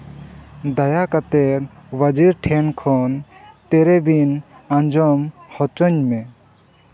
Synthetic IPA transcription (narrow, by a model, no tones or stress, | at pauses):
d̪ajakat̪ɛɾwad͡ʒiɾʈʰɛnkʰɔnt̪ɛɾɛbinãɲd͡ʒɔmhɔt͡ʃɔɲmɛ